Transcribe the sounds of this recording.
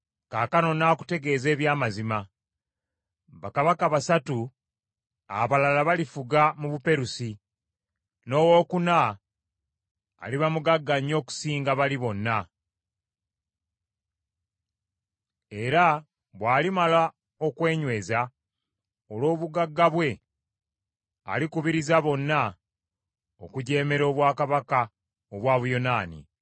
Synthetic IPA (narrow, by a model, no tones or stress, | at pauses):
kaːkano̞naːku̥te̞ɡe̞ːze̞ːβjaːmazima | βakaβakaβasatu | a̰βalalaβalifuɡamuβupe̞ɾusi | no̞ːwo̞ːkuna | liβamuɡaɡːaɲːo̞ːku̥siːŋɡaβaliβo̞nːa | e̞ɾa | βwaːlimala | o̞kwe̞ːɲwe̞ːza | o̞lo̞ːβuɡaɡːaβwe̞ | likuβiɾizaβo̞nːa | o̞kuɟe̞ːme̞ɾo̞ːβwaːkaβaka | oβwaːβujo̞naːnḭ